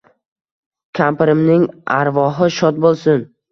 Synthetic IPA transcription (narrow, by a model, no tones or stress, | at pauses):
kʲʰampɾɪmnɪŋaɾvɒɦɪʃɒt̪̚bolˠsɪn